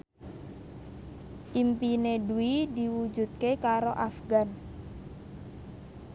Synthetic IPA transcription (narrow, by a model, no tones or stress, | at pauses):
ʔimpineduidiwud͡ʒṳt̪̚kekaɾoʔafɡan